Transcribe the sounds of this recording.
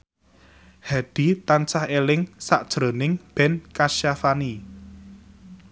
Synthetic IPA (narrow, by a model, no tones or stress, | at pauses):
had̪̥i̤t̪ansahelɪŋsaʔd̥ʒ̥ɾo̤nɪŋb̥ɛnkaʃafani